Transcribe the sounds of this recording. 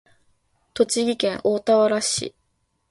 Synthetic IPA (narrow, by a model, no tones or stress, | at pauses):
t̪o̞t͡ɕiɡʲikẽ̞ɰʔo̞ːt̪aβaɾaɕḭ